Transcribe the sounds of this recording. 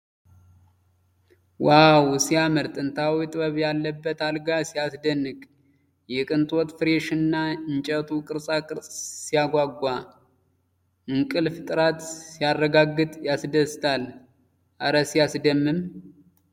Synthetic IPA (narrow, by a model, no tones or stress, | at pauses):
wawsijaməɾt̪ʼɨnt̪ʰawit̪ʼɨβəβjalːəbːət̪alɡasijasd̪ənːɨkʼ | jɛkʼɨnt̪ʰʼot̪fɨɾeʃɨnːaɨnt͡ʃʼət̪ʰukʼɨɾsʼakʼɨɾsʼsijaɡʷaɡʷːa | mɨŋkʼɨlfɨt̪ʼɨɾat̪sijarːəɡaɡːɨt̪ʼjasd̪əst̪ʰal | ʔaɾəsijasd̪əmːɨm